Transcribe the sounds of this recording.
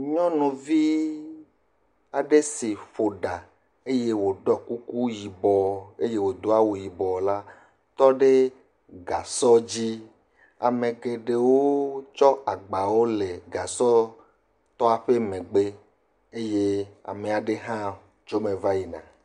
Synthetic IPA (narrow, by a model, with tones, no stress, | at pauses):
ɲɔ̃˦nũ˨vi˦ | a˨ɖe˦si˨ɸo˨ɖa˨ | e˦je˦wo˨ɖɔ˦ku˦ku˦ji˨bɔ˨e˦je˦wo˨d̪o˦a˦wo˨ji˨bɔ˨la˦ | t̪ɔ˦ɖe˦ | ɡa˨sɔ˦d͡ʑi˦ | a̰˨mẽ˨ɡe˨ɖe˨wo˦t͡ʃɔ˦a˨ɡ͡ba˨wo˦le˨ɡa˨sɔ˦ | t̪ɔ˦a˨ɸe˦mẽ˨ɡ͡be˦ | e˦je˦a̰˨me˨a˨ɖe˦ɦã˦ | d͡ʒo˦mẽ˨va˦ji˨nã̰˨